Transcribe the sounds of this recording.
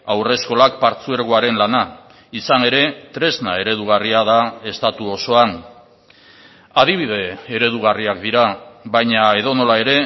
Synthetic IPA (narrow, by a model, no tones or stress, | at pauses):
awre̞sko̞lak̚paɾt͡sue̞ɾɣoaɾe̞nlana | isane̞ɾe̞t̪ɾe̞zna̰e̞ɾe̞ð̞uɣ̞ariaðae̞st̪at̪uo̞so̞an | að̞iβ̞ið̞e̞ːɾe̞ð̞uɣ̞ariak̚d̪iɾaβajɲae̞ð̞o̞no̞lae̞ɾe̞